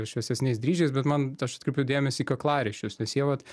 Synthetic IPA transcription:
ʃʲʋʲɛsʲɛsʲnʲɛɪsd̪ʲɾʲiːʒʲɛɪs̬bʲɛt̪mɐnɐʃɐt̪kɾʲeɪpʲjɛʊd̪ʲeːmʲɛsʲiːkɐklˠɑːɾʲɛʃʲt͡ʃʲʊsnʲɛsjiɛʋɐt̪

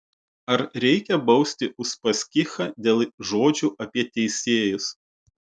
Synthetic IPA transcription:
ɐɾɾʲɛɪkʲɛbɒʊsʲt̪ʲɪʔʊʃpɐsʲkʲɪxɐd̪ʲeːlˠʒoːd͡ʒʲuːʔɐpʲiɛt̪ʲɛɪsʲeːjʊs

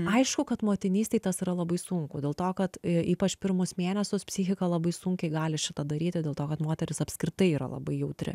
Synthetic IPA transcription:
ɐɪʃkʊkɐt̪moːt̪ʲɪnʲiːsʲt̪ʲɛɪt̪ɐsiːɾɐlˠɐbɐɪsʊŋkʊd̪ʲeːlˠt̪oːkɐt̪ɪiːpɐt͡ʃpʲɪɾmʊsmʲeːnʲɛsʲʊspʲsʲiːxʲɪkɐlˠɐbɐɪsʊŋʲkʲɛɪɡɑːlʲɪʃʲɪt̪ɐd̪ɐɾʲiːt̪ʲɪdʲeːlˠt̪oːkɐt̪moːt̪ʲɛɾʲɪsɐpʲsʲkɾʲɪt̪ɐɪiːɾɐ̰lˠɐ̰bɐɪjɛʊt̪ʲɾʲɪ̰

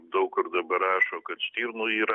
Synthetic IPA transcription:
d̪ɐʊkɪɾd̪ɐbɐɾɑːʃoːkɐt̪ʃt̪ʲiːɾnuiːɾ

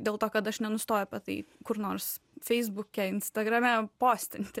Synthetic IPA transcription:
d̪ʲeːlˠt̪oːkɐt̪ɐʃnʲɛnʊst̪oːjɐpʲɛt̪ɐɪkʊɾnoːɾs | fʲɛɪzbʊkʲɛɪnst̪ɐɡɾɑmʲɛːpoːsʲt̪ʲɪnʲt̪ʲɪ

